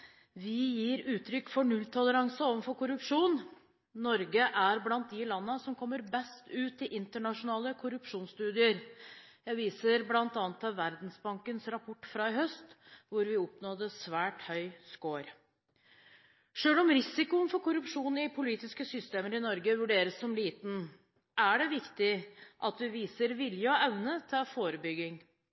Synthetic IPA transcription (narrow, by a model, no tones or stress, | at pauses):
ʋɪjiːɾʉːt̪ʰɾʏkːfɔɳʉlt̪ʰɔləɾɑŋsəoːʋənfɔɾkʊɾʉpʂuːn | nɔɾɡəʔæɾblɑnt̪̚d̪ɪlɑnːəsɔmkʰɔmːəɾbɛst̪ʉːt̪ɪʔɪnt̪əɳɑʂʊnɑːləkʰʊɾʉpʂuːnst̪ʉːd̪ɪəɾjæɪʋiːsəɾblɑnt̪ɑːnət̪ɑʋæɾd̪n̩sbɑŋkənsɾɑpʰɔʈːfɾɑːɪhœst̪ | ʋʊɾʋɪɔpnɔd̪əsʋæːʈhœʏskoːɾ | ʂøːlɔmɾɪsɪkʊnfɔɾkʊɾʉpʂuːnɪpʰʊliːt̪ɪskəsʏst̪eːməɾɪnɔɾɡəʋʉɖeːɾəsːɔmliːt̪n̩ | ʔæɖɛʋɪkt̪ɪʔɑt̪ʋɪʋiːsəɾʋɪljəɔɛʋnət̪ʰɛfoːɾəbʏɡːɪŋ